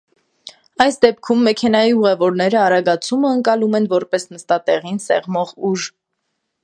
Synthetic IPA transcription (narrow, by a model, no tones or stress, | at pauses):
ɑjsd̪ɛp̚kʰumːɛkʰɛnɑjiuʁɛvɔɾnɛɾəɑɾɑɡɑt͡sʰuməəŋkɑlumɛnvɔɾpɛsnəst̪ɑt̪ɛʁinsɛ̰ʁmɔʁuʒ